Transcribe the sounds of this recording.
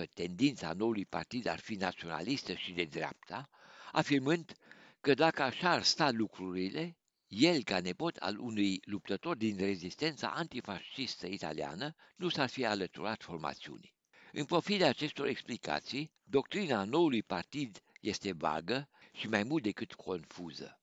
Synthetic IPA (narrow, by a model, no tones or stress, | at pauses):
ət̪e̞nd̪int̪sa̰no̞ulujpa̰rt̪id̪a̰rfinat̪sio̞na̰list̪əʃid̪e̞d̪ɾea̰p̚t̪ʰa | afirmɨnd̪kəd̪akəaʃaːrst̪alukɾuɾile̞ | je̞lkane̞po̞t̪ʰa̰lṵnujlup̚t̪ət̪o̞rd̪inre̞zist̪e̞nt̪sa̰ʔant̪ifaʃist̪əit̪a̰lia̰nənusarfialət̪ṵɾat̪fo̞rma̰t̪siṵnʲ | ɨnpɾo̞fid̪aat͡ʃe̞st̪o̞ɾeksplika̰t̪sij | d̪o̞k̚t̪ɾinano̞ulujpart̪id̪je̞st̪e̞va̰ɡəʃimajmult̪̚d̪e̞kɨt̪kʰo̞nfuzə̰